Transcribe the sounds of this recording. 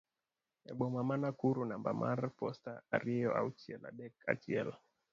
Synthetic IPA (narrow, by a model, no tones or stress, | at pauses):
ɛɓɔmamanakuɾunambamʔa̰ɾpɔstaaɾiɔa̰utiɛla̰ɗɛka̰tiɛl